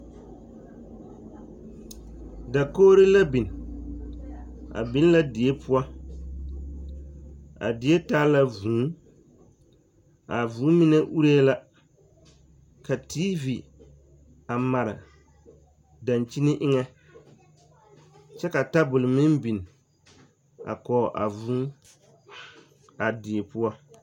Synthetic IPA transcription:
da˨koː˦ɾɪ˦la˦bi˨n˨ | a̰˨bɪ˦n˦la˦di˨e˦pʰʊ˦a˦ | a̰˨dɪ˨˦e˦taː˦la˦vuː˨˦ | a˨vuː˨˦mi˦nɛ˦ʔu˦ɾe˦la˦ | ka˨tiː˦vi˨ | a˨ma˨ɾɪ̰˨ | da˨nt͡ʃi˦nɪ˦ʔɪ˦ŋɛ˦ | t͡ʃɛ˦ka˨ta˦bʊ˨lɪ˨mɪ˦mbi˨n˨ | a̰˨kɔː˨ʔa̰˨vuː˦ | a˨dɪ˨e˨pʊ˦a˦

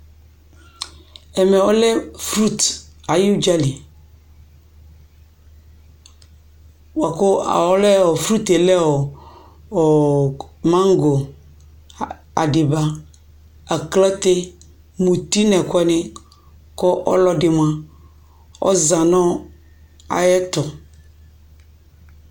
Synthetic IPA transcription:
ɛ˨mɛ̃˨wɔ˦lɛ˦fɾu˦t̪a˨ji˦d͡ʒa˦li˨ | wa˨ko˦a̰˨wɔ˦lɛ˦wɔ˨fɾu˦t̪e˨lɛ˦wɔ˨ | ɔ˨ | mã˦ŋ˦ɡo˨ | a˨dɪ˨ba˦ | a˨klɛ˦t̪e˦ | mũ˨t̪i˦nɛ̃˨kʊ˦ɛ˦nɪ̃˦ | kɔ˦ʔɔ̰˦lɔ˦dɪ˨m˨˦ã˦ | ɔ̰˦zã˨nɔ̃˦ | a̰˨jɛ˦t̪ʊ˨

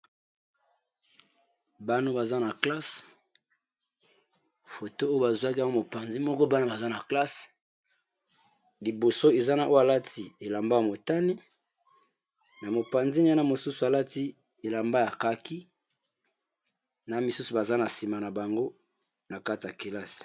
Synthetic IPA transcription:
ba˦no˦ba˨za˦na˨kla˦s | fo˨to˦o˦jo˦ba˨zu˨a˦ki˦a˦wo˦mo˨pa˨nzi˦mɔ˦kɔ˦ba˦no˦ba˨za˦na˨kla˦s | li˨bo˨so˦e˨za˦na˨ʔo˦a˨la˦ti˨e˨la˨mba˦a˨mo˨ta˦ni˦ | na˨mo˨pa˨nzi˦n˦a˦na˦mo˨su˦su˨a˨la˦ti˦ | e˨la˨mba˦ja˨ka˦ki˦ | na˨˦mi˨su˦su˨ba˨za˦na˨si˨ma˨na˨ba˨ŋɡo˦ | na˨ka˦ti˨ja˨ke˨la˦s

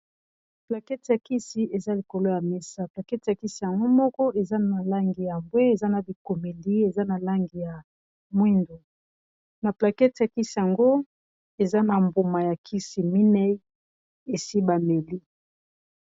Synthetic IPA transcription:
pla˨kɛ˦tja˨ki˦si˨ʔe˨za˦li˨ko˨lo˦ja˨me˦sa˦pla˨kɛ˦tja˨ki˦si˨ja˨ŋɡo˦mɔ˦kɔ˦ʔe˨za˦a˨la˦ŋɡi˨ja˨mbwe˦e˨za˦na˨bi˨ko˨me˨li˦e˨za˦na˨la˦ŋɡi˨ja˨ | mwi˦ndo˨ | na˨pla˨kɛ˦tja˨ki˦si˨ja˨ŋɡo˦ | e˨za˦na˨mbo˨ma˨ja˨kʰi˦si˨mi˦nɛ˦ | e˨si˦ba˨me˨li˦

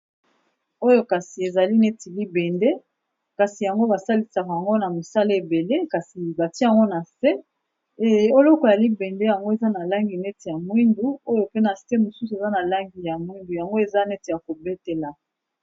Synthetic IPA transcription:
o˦jo˦ka˨si˨e˨za˨li˦ne˦ti˨li˦bɛ˨nde˦ | ka˨si˨ja˨ŋɡo˦ba˨sa˦li˨sa˨ka˨ja˨ŋɡo˦na˨mo˨sa˦le˦e˨be˨le˦ka˨si˨ba˨ti˦ja˨ŋɡo˦na˨se˦ | o˦lɔ˦kɔ˨ja˨li˦bɛ˨nde˦ja˨ŋɡo˦e˨za˦na˨la˦ŋɡi˨nɛ˦te˨ja˨mwi˦ndu˨˦o˦jo˨pe˦na˨se˦mo˨su˦su˨e˨za˦na˨la˦ŋɡi˨ja˨mwi˦ndu˨ja˨ŋɡo˦e˨za˦nɛ˦te˨ja˨ko˨be˦te˨la˨

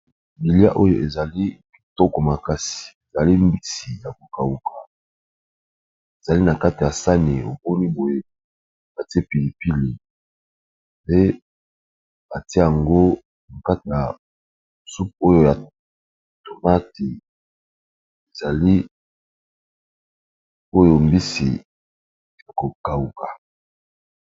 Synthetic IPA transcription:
bi˨li˦a̰˦ʔo˦jo̰˨ʔe˨za˨li˦bi˨tɔ˦kɔ˨ma˨ka˦si̥˨e˨za˨li˦mbi˦si˨ja˨ko˨ka˨wu˦kʰa˨ | e˨za˨li˦na˨ka˦ti˨ja˨sa˦ne˨o̰˨bo˦ni˦bo˨je˦ | ba˨ti˦e˦pi˨li˨pi˦le˨ | pe˦ | ba˨ti˦ja˨ŋɡo˦ | na˨ka˦ti˨ja˨ | su˦p̚o˦jo˦ja˨ | to˨ma˦ti˨ | e˨za˨li˦ | o˦jo˨mbi˦sḭ˨ | a˨ko˨ka˨u˦˨ka˨

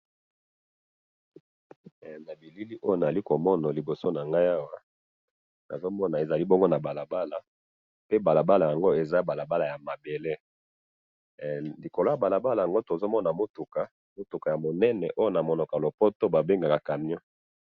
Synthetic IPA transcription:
na˨bi˨li˦li˦ʔo˦jo˦na˨za˨i˦ko˨mɔ˦na˨li˨bo˨so˦na˨ŋɡa˦ja˦wa˦ | na̰˨zo˦mɔ˦na˨e˨za˨li˦bɔ˦ŋɡo˦na˨ba˨la˨ba˦la˨ | pe˦ba˨la˨ba˦la˨ja˨ŋɡo˦e˨za˦ba˨la˨ba˦la˨ja˨ma˨be˨le˦ | li˨ko˨lo˦ja˨ba˨la˨ba˦la˨ja˨ŋɡo˦to˨zo˦mɔ˦na˨mo˦tu˨ka˨ | mo˦tu˨ka˨ja˨mo˨nɛ˦nɛ̰˨ʔo˦jo˦na˨mɔ˨nɔ˨ka˨lo˨po˦to˦ba˨be˦ŋɡa˨ka˨ka˨mjɔ˦

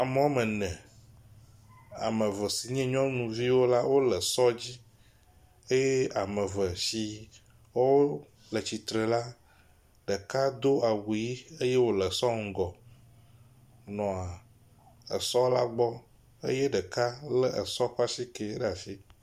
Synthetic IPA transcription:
a˨me˦wo˦mə̃˨nɛ̃˨ | a̰˨mə̃˨və˨si˨ɲɛ̃˦ɲɔ̃˦nũ˨vi˦wo˦la˦wo˦lə˨sɔ˦d͡ʑi˦ | e˦je˦a˨mə̃˨və˨si˨ | wo˦wo˦ | lə˨t͡ɕi˨t̪ɾe˨la˦ | ɖə˨ka˦d̪o˦ʔa˨wu˨ji˦e˦je˦wo˦lə˨sɔ˦ŋ̩˦˨ɡɔ˨ | nɔ̃˨a˨ | ə̰˨sɔ˦la˦ɡ͡bɔ˦ | ḛ˦je˦ɖə˨ka˦lə˦ʔə˨sɔ˦ɸa˦ʃi˦ke˨˦ɖə˦a˨fi˦

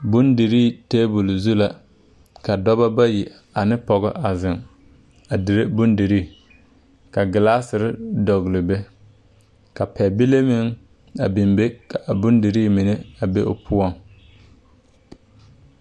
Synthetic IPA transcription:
bʊ˦ndi˨ɾi˦˨teː˦bʊ˨lzu˦la˨ | ka˨dɔ˦ba˦ba˦ji˨ | a˨nɪ˦pɔ˨ɣɔ̰˦ʔa˨zɪ˨ŋ | a˨dɪ˨ɾe˦bʊ˦ndi˨ɾi˦˨ | ka˨ɡɪ˨la˦sɪ˨ɾɪ˦dɔ˨ɣlɪ˨be˦ | ka˨pɛ˨bi˦le˦mɪ˦ŋ | a˨bɪ˨mbe˦ka˨ʔa˨bʊ˦ndi˨ɾiː˦˨mi˨ne˦a˨be˦ʔʊ̰˦pʰʊ˦ɔ˦ŋ

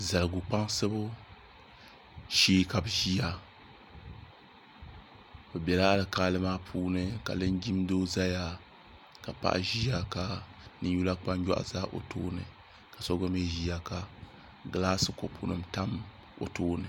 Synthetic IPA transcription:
za˨lɨ˨ɡu˨k͡pa˦ŋsɨ˦bo˦ | ʃiː˦ka˨bʒi˦a˨ | bo˨bɛ˨la˦lɨ˨kaː˦lɨ˦maː˦pʰuː˦nɨ˦ka̰˨lɨ˦nd͡ʒi˦mdoː˦za˦ja˦ | ka˨pa̰˦˨ʔʒi˦a˨ka˨nɨ˦ɲ˦u˦la˦k͡pa˦ŋ˦ja̰˦ʔzaː˦ʔo̰˨to̰ː˦nɨ̰˨ | ka˨sɔ˦ɡɔ˦mi˦ʒi˦ja˨ka˨ | ɡa˦laː˦sɨ˨ko˨pʰṵ˦nɨ˨mta˦m | o̰˨toː˦nɨ˨

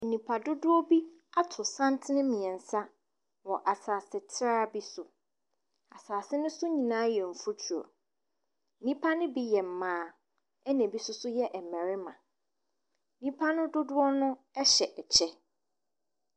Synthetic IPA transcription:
n̩˨nĩ˨pʰa˨dʊ˦dʊ˦ɔ˦bi˦ | a˦tʰʊ˨sã˦ntʰɪ˦nɪ̃˦mĩ˨ɛ̃˨n̩˨sa˦ | wɔ˨ʔa˨saː˨sɪ˨tʰɪ˦ɾa˦bi˦sʊ˨ | a˨saː˨sɪ˦nʊ̃˦sʊ˦ɲĩ˨nãː˨˦jɛ˨m̩˨fu˦t͡ɕʰu˨ɔ̰˨˦ | nĩ˦pʰa˦nʊ̃˦bi˦jɛ˨m̩˨mãː˦ | ɛ˦næ̃˨bi˦sʊ˦sʊ˦jɛ˦ʔɛ˨mɛ˨ɾɪ˦mã˨ | n̩˦nĩ˦pʰa˦nʊ̃˦dʊ˦dʊ˦ɔ˦nʊ̃˦ | ɛ˦ɕɛ˨ʔɛ˨t͡ɕʰɛ˦

